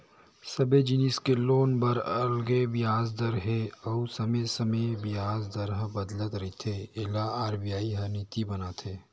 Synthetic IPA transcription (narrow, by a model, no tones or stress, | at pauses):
sɐbed͡ʒiniskeloːnbɐɾɐlɡebɪjaːzd̪ɐɾɦeɐusɐmesɐmebɪjaːzd̪ɐɾɦəbɐd̪lət̪ɾɐit̪ʰeːɪlaaːɾbijaːiɦɐnit̪ibɐnaːt̪ʰeː